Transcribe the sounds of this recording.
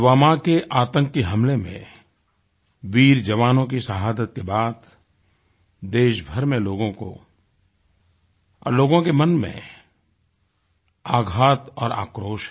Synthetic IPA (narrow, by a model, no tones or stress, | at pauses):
ʋaːmakeʔaːt̪ə̃ŋkːeɦɐmlemḛ̃ | ʋiːɾd͡ʒɐʋaːnõk̬isəɦaːd̪ət̪̚kebaːd̪ | d̪eːʃbʱəɾmẽloːɡõko̰ | loːɡõkemɐnmḛ̃ | aːɡʱaːt̪ɔːɾa̰ːkɾoːʃ